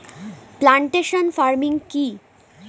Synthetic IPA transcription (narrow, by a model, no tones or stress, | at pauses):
plaɳʈeʃonfaɾmiŋki